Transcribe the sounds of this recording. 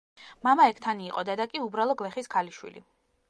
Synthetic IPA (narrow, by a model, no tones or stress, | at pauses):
mamaɛkʰt̪ʰaniːqʼɔd̪ad̪akʼiubɾalˠɔɡlɛχiskʰaliʃwḭlḭ